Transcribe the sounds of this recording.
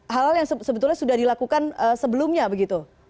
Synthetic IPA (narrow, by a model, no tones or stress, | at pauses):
ɦalɦaljaŋsəsəbət̪ʊlɲasudahdilakukanəːsəbəlʊmɲabəɡit̪u